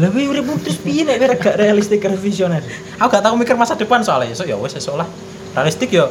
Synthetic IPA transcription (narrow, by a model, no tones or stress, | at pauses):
laweuɾɪp̚ut̪ɾʊspiinɛʔmiɾaɡ̥aʔɾealist̪ɪk̚rɔfisiɔnal | auɡ̥aʔt̪aumikɪrmasad̥əpansoalajsojɔwɛsasolah | realist̪ɪkjɔ